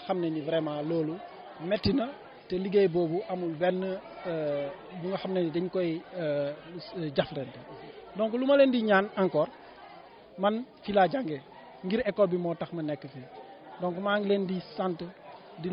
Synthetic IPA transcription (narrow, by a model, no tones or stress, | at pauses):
xɐmnenivɾɛːmalɔːlu | mɛtːinɐ | tɛliɡɛjbɔːbuʔɐmulbɛnːə | buŋɡɐxɐmnɛnidɛɲkɔj | ɟaflɛntɛdɔŋkulumɐlendiɲaːnɐŋkɔːr | mɐnfilaːɟaŋɡɛ | ŋɡiɾɛkːɔlbimɔːtɐxmɐnɛkːəfi | dɔŋkumaːŋɡlendisantə | di